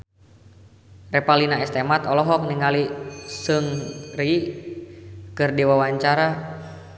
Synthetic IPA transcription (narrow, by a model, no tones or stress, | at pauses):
rɛpalinaɛst̪emat̪ɔlɔɦɔk̚niŋalisɨŋri | kɨrdiwawaɲt͡ʃaɾa